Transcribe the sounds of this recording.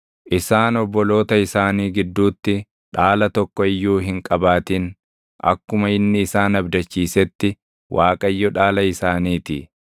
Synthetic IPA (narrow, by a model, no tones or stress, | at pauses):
ʔɪsaːnɔbːɔlo̞ːt̪ɐɪsaːniːɡɪd̪ːuːt̪ːɪ | ᶑaːlɐt̪ɔkːɔɪjːuːɦɪŋkʼɐbaːt̪in | ʔɐ̰kːʊmɐɪnːɪːsaːnɐbd̪ɐt͡ʃːiːsɛt̪ːɪ | wʔaːkʼɐɪjːɔᶑaːlɐɪsaːniːt̪ɪ